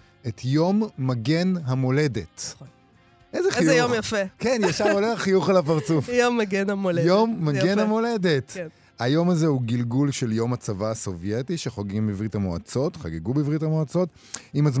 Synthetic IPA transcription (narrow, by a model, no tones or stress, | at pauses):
ʔetjo̞mːaɡe̞nɦamo̞le̞det | ʔezeχijjomjafekenjaʃavoleχaχijuχalapaʁt͡sufjomːaɡenamolejomːaɡe̞nhamo̞ledet | hajo̞mazeuɡilɡulʃeljo̞mat͡savaso̞vjetiʃeχoɡimbivʁithamoa̰t͡so̞tχa̰ɡeɡubivʁithamoat͡so̞t | imaz